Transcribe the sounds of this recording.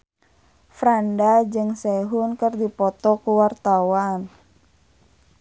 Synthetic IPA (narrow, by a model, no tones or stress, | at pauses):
fɾandad͡ʒɨŋsɛɦunkərdipɔt̪ɔkuwart̪awan